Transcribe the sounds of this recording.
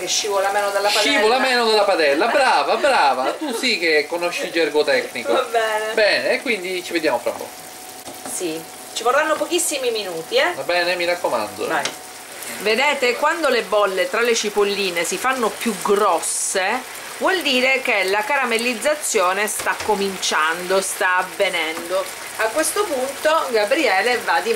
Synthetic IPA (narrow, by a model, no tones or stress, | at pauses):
keʃːiːvolamɛːnod̪elːapaivolamɛːnod̪elːapad̪ɛlːabɾaːvabɾaːvat̪usikekːonoʃːid͡ʒɛrɡot̪ɛkːnikvoabɛːnebɛːneːkːwind̪it͡ʃived̪jaːmofɾa̰pːɔ̰ːko | si | t͡ʃiporːanːopokisːimiminuːt̪iɛabɛːnemiɾakːoma̰nd̪o̰a | ved̪ɛːt̪ekwand̪olebɔlːet̪ɾalet͡ʃipolːiːnesifanːopjuɡɾɔsːe | vwɔld̪iːɾekelakaɾamelid̪zːat̪sːjoːnest̪akːomint͡ʃand̪ost̪aːvːenɛnd̪o | akwest̪opunt̪oɡabɾiɛːlevad̪i